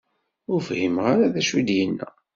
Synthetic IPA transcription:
ʊɾfhimʁaɾaðæʃwid̪jənːæ̰

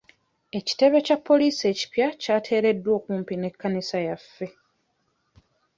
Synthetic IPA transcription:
e̞ci̥te̞βe̞capːo̞liːsie̞ːci̥pjacaːtʰe̞ːɾe̞dːwo̞ːkuːmpine̞kːanisajafːe̞

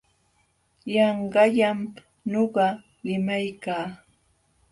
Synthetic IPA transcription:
jɑɴɢɑʎam | noɢɑ | lɪmajkaː

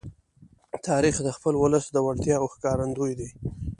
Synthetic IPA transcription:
t̪ʰɑɾixd̪əxpəlwʊləsd̪əwaɽt̪jɑwxkɑɾand̪ujd̪i

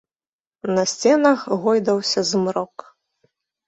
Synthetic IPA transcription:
nɐsʲt͡sʲɛnɐxɣɔjd̪ɐwsʲɐzmɾɔk

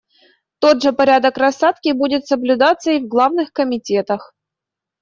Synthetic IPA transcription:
t̪o̞dʐɨpɐɾʲad̪əkrɐsːat̪kʲɪbudʲɪt̪səblʲʊd̪at̪sːəivɡlˠavnɨxkəmʲɪtʲet̪əx

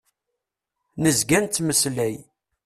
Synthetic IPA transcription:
nəzɡænt̪ːməslæj

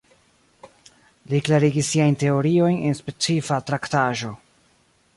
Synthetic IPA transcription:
liklaɾiɡisːiajnte̞o̞ɾio̞jne̞nspe̞t͡sifatɾaktaʒo̞

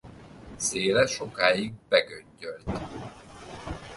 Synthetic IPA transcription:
seːlɛʃo̞kaːjiɡ̚bɛɡøɲɟølt̪

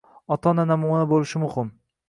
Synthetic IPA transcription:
ɒt̪ʰɒnanamuanabolɪʃɪmʊhɪm

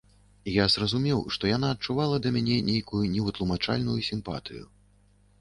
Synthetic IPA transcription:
ijazrɐzumʲɛwʂt̪ɔjan̪aːt̪̚t͡ʂuvalˠɐd̪ɐmʲanʲɛnʲejkujunʲɛvɨt̪lˠumat͡ʂa̰lʲnujusʲimpa̰t̪ɨjṵ

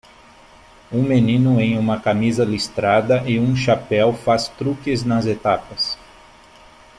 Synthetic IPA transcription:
ũmenĩnʊẽj̃ũmɐkamizɐlist̪ɾad̪ɐʔɪũʃapɛwfast̪ɾukɪznɐzet̪apɐs

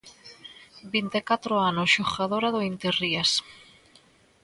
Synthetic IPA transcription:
bint̪ekat̪ɾoanosʃoɣaðoɾaðoint̪erias

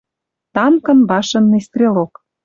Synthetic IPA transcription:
t̪ɑmkɤ̆nbɑʃɤ̆nːest̪rʲelok

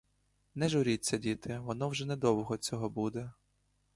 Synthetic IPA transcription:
nɛʒʊɾʲit͡sʲːɐdʲit̪ɪʋɔnɔwʒɛnɛd̪ɔwʊɦɔt͡sʲɔɦɔbud̪ɛ

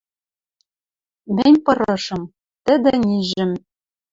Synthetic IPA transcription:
mɘ̆nʲpɤ̆ɾɤ̆ʃɤ̆m | t̪ɘ̆d̪ɘ̆nʲiʒɘ̆m

